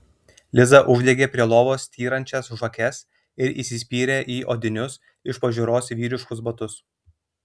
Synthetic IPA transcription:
lʲɪzɐʔʊʒʲd̪ʲeɡʲeːpʲɾʲiɛlˠoːʋoːst̪ʰʲiːɾɐnʲt͡ʃʲɛsʒɐkʲɛs | ɪɾḭːsʲɪsʲpʲiːɾʲeːʔiːʔoːd̪ʲɪnʲʊs | ɪʃpɐʒʲʊːɾoːsʋʲiːɾʲɪʃkʊsbɐt̪ʊs

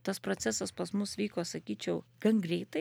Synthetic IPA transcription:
t̪ɐspɾoːtt͡s̪ʲæsɐspɐsmʊsʋʲiːkoːsɐkʲiːt͡ʃʲɛʊɡ̥ɐŋɡɾʲɛɪt̪ɐɪ

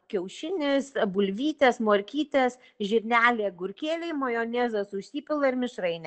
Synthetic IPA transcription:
kʲɛʊʃʲɪnʲɪsbʊlʲʋʲiːt̪ʲɛsmoːɾʲkʲiːt̪ʲɛs | ʒʲɪɾʲnʲæːlʲeːɡʊɾʲkʲeːlʲɛɪmɐjoːnʲezɐsʊʃsʲiːpʲɪlˠɐɪɾmʲɪʃrɐɪnʲɛ

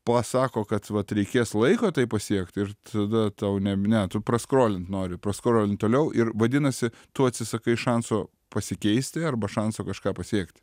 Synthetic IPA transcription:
pɐsɑːkoːkɐt̪ʋɐt̪ɾʲɛɪkʲeːslˠɐɪkoːt̪ɐɪpɐsʲiɛkt̪ɪɾt̪ɐd̪ɐt̪ɐʊnʲɛnʲɛt̪ʊprɐskɾoːlʲɪnt̪noːɾʲɪpɾɐskɾoːlʲɪnt̪t̪oːlʲɛʊʔɪɾʋɐd̪ʲɪnɐsʲɪ | t̪ʊɐtʲsʲɪsɐkɐɪʃɐnsoː | pɐsʲɪkʲɛɪsʲt̪ʲɪɐrbɐʃɐnsoːkɐʃkɑːpɐsʲiɛkt̪ʲ

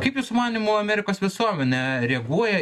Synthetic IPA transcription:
kɐɪpjʊsʊmɑːnʲɪmʊɐmʲæːɾʲɪkoːsʋʲɪsuɔmʲɛnʲɛɾʲɛɡuɔjɛ

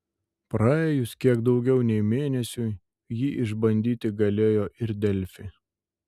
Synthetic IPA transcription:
pɾɑeːjʊskʲiɛɡd̪ɒʊɡʲɛʊnʲɛɪmʲeːnʲɛsʲʊ | jiːʔɪʒbɐnʲd̪ʲiːt̪ʲɪɡɐlʲeːjoːʔɪɾd̪ʲɛlʲfʲɪ

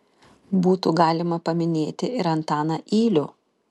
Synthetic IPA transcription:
buːt̪uɡɑːlʲɪmɐpɐmʲɪnʲeːt̪ʲɪɪɾɐnt̪ɑːnɐʔiːlʲʊ

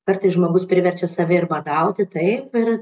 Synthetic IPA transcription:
kɐrt̪ɐɪsʒmoːɡʊspʲɾʲɪʋʲɛrʲt͡ʃʲɛsɐʋʲɛɪrbɐd̪ɐʊt̪ʲɪt̪ɐɪpɪr

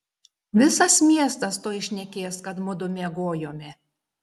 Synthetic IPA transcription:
ʋʲɪsɐsmʲiɛst̪ɐst̪oːjɪʃʲnʲɛkʲeːskɐt̪mʊd̪ʊmʲeɛɡoːjoːmʲɪ

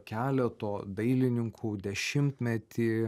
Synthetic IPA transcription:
kʲæːlʲɛt̪oːd̪ɐɪlʲɪnʲɪŋkʰuːd̪ʲɛʃʲɪmt̪ʲmʲɛt̪ʲiː

